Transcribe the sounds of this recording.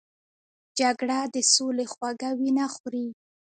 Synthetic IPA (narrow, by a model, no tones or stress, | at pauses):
d͡ʒaɡɽad̪əsolexwaɡawinaxɾi